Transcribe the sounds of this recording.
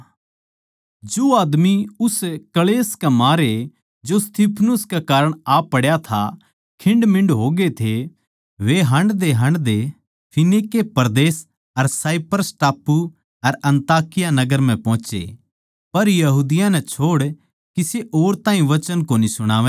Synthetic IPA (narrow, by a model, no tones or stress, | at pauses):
d͡ʒoːaːd̪miʊskɐleːskemaːɾe | d͡ʒost̪iːpʰnʊskekaːɾəɽ̃aːpːɐɽjat̪ʰa̰ | kʰɪ̃ɳɖmɪ̃ɳɖɦoːɡet̪ʰe | ʋeɦɐ̃ɳɖd̪eɦɐ̃ɳɖd̪e | pʰɪnikepɐɾd̪eːs | ɐɾsaːipɾəsʈaːpːu | ɐɾɐ̃nt̪aːkɪjanɐɡəɾm̤ɛ̃pɔ̃ːt͡ʃḛ | pɐɾjɐɦuːd̪ɪjãnɛt͡ʃʰoːɽ | kiseʔoːɾt̪ãːɦĩʋɐt͡ʃənkoːnisʊɽ̃aːʋɛ